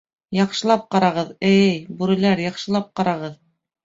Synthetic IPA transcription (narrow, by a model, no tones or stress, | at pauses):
jɑqʃɤ̆lˠɑp̚qɑɾɑʁɤðɘjjbʉɾɘ̆læɾjɑqʃɤ̆lˠɑp̚qɑɾɑʁɤð